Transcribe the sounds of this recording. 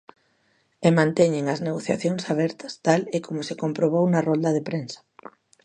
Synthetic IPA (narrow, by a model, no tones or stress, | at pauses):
emãnt̪ɛɲeŋɐzneɣoθja̰θjoŋsaβ̞ɛɾt̪ɐ̥st̪alekomʊsekompɾoβ̞ownɐrõnd̪ɐðepɾensɐ̥